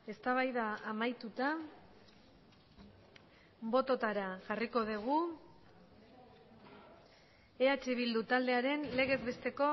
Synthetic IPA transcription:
e̞st̪aβ̞ajðaːmajt̪ut̪a | bo̞t̪o̞t̪aɾaʝariko̞ðuɣ̞u | e̞at͡ʃiβ̞ild̪ut̪ald̪e̞aɾe̞nle̞ɣ̞e̞zβe̞st̪e̞ko̞

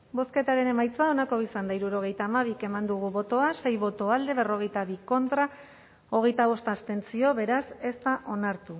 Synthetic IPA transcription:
bo̞ske̞t̪aɾe̞ne̞majt͡soao̞nako̞isand̪aiɾuɾo̞ɣ̞e̞jt̪aːmaβ̞ike̞mand̪uɣ̞uβo̞t̪o̞ase̞jβo̞t̪o̞ald̪e̞β̞e̞ro̞ɣ̞e̞jt̪aβiko̞nt̪ɾa | o̞ɣ̞e̞jt̪aβ̞o̞st̪ast̪e̞nt͡sio̞βe̞ɾase̞st̪aʔo̞naɾt̪u

